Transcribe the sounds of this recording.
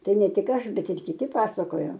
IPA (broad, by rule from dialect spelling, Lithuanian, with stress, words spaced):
ˈtɐɪ ˈnʲɛ ˈtʲɪk ˈɐʃ ˈbʲɛt ɪr kʲɪˈtʲɪ ˈpɑːsɐkoːjoː